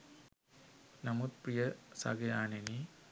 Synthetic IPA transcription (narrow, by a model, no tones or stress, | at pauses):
nɐmut̪̚prijɐsa̰ɡɐjaːneni